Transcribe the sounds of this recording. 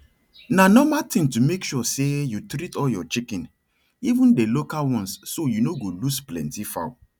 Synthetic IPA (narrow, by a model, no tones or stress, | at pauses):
nanɔmatĩŋtumekʃusejutɾitɔljɔt͡ʃikɛ̃n | ivũndelokalwɔ̃nsːojunoɡolusplɛ̰̃ntifa̰ʊ